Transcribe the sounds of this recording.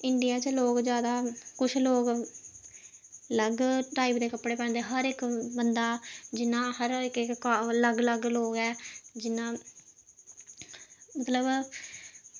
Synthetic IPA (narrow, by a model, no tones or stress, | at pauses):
ɪɳɖijaːt͡ʃloːkd͡ʒjaːd̪aːkʊt͡ʃʰloːɡ | ləɡʈaːiːpd̪eːkəpɽeːpɛ̃ːnd̪eɛɦəɾɪkbənd̪aːd͡ʒɪnãːhəɾɪkɪkːləɡləɡloːɡɛːd͡ʒɪnãː | mət̪ləb